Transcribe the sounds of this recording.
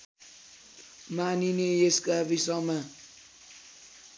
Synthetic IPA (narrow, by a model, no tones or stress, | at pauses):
maninejeskʼavisɔma